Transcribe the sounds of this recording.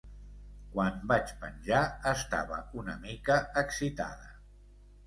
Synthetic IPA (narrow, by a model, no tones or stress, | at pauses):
kwambat͡ʃpə̰nʲʒaəst̪a̰βə̰unəmikəəksit̪a̰ðə